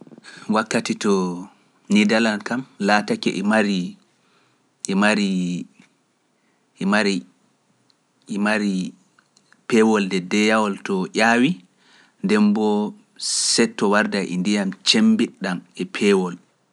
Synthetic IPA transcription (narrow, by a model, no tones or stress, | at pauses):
wakːatitɔ | nidalankamlaːtakɛ̰ʔɛmaɾi | ʔɛmaɾi | ɛmaɾi | maɾi | pɛwɔldɛdɛjawɔltɔʔaːwi | ndɛmbɔ | sɛtːɔwaɾdaʔḭndijamt͡ʃembiɗːamɛpʰɛwɔl